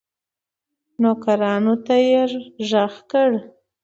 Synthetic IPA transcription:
nokaɾɑnot̪ajeɾʒaxkəɽ

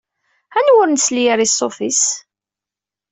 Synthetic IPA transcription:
ænwʊɾnslijəɾisˤːofis

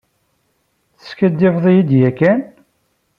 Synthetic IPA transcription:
θə̥skæd̪ːivðˤjid̪jækːæn

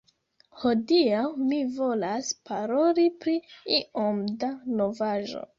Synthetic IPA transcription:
ho̞diawmivo̞laspaɾo̞lipɾiiʔomdano̞vaʒo̞̰

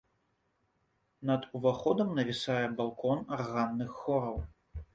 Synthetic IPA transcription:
nɐd̪uvaxɔd̪ɐmnɐvʲisajɛbalˠkɔnarɣanːɨxːɔɾɐw

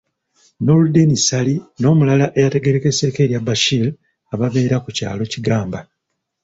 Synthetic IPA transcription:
no̞ludenisalino̞ːmulalaʔe̞jate̞ɡe̞ɾeke̞se̞ːke̞ːɾjabaʃil | aβaβe̞ːɾakuca̰ːlo̞ciɡaːmba

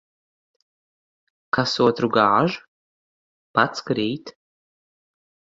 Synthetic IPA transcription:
kʰasot̪ruɡaʕʒ | pat͡skɾejtʰ

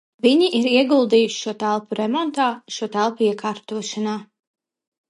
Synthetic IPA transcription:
viɲiʔiɾiɛɡulˠd̪iːjuʃi̥ʃuɔt̪ælˠpuɾɛmɔnt̪aːʃuɔt̪ælˠpuiɛkʰaːɾt̪uɔʃanaː

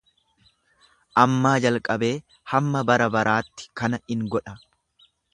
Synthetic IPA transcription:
ʔɐmːaːd͡ʒɐlkʼɐbe̞ː | hɐmːɐbɐɾɐbɐɾʔaːt̪ːɪ̥kɐnɐɪŋɡɔᶑɐ

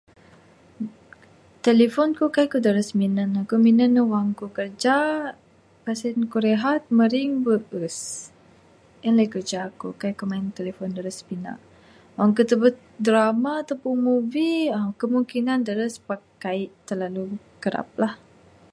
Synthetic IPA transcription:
t̪elefɔnkukaiʔkudəɾəsminənakuminənəwaŋkukərd͡ʒa | pasɛnkuɾeɦat̪̚məɾiŋbəʔəs | ʔənlajkərd͡ʒaːkukajkumaɪnt̪elefɔndəɾəspina̰ʔ | waŋkut̪əbət̪̚dəɾamaːt̪apuŋmubiəkəmuŋkinandəɾəspəkaɪʔt̪ərlalu | kəɾa̰p̚lah

